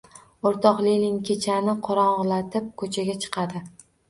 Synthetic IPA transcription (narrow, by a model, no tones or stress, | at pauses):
oɾt̪ʰɒqlilʲɪŋkʲʰet͡ʃʰanɪqʰɒɾɒɴʁlˠat̪ʰɪp̚kʰɵt͡ʃʰaɡʲat͡ʃʰɨ̥qʰɑd̪ɪ